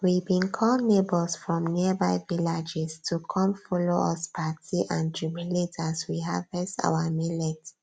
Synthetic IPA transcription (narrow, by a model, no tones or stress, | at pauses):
wibĩnkʰɔlnebɔlsfɹɔ̃mniəbaɪvilad͡ʒɛstʰukʰɔ̃mfɔloʔɔspʰatʰiʔãntumiletʰaswiɦavɛsa̰amilɛt